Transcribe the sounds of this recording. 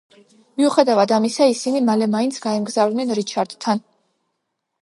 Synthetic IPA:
miuχɛd̪avad̪amisaisinimalɛmaint̪sʰɡaɛmɡzavd̪nɛnɾit͡ʃʰaɾd̪t̪ʰːan

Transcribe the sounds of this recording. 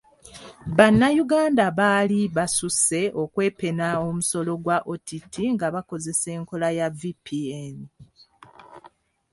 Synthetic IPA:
βanːajuɡaːndaβaliβasuse̞ʔo̞kwe̞ːpe̞naomuso̞lo̞ɡwaʔotʰitʰiŋɡaβako̞ze̞se̞ːŋko̞lajavipʰieni

